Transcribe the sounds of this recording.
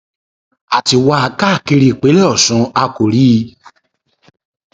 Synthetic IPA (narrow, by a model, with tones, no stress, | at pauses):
a˨ti˧wa˧a˧ka˦˨ki˧ɾi˧˨k͡pe˨˦lɛ˦ɔ˦˨sũ˨˦a˧ko˨ɾi˨˦˧